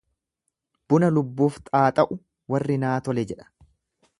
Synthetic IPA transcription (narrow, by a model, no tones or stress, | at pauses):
b̥ʊnɐlʊbːuːft̪ʼaːt̪ʼɐʔʊ | wɐrːɪnaːt̪ɔlɛd͡ʒɛᶑɐ̥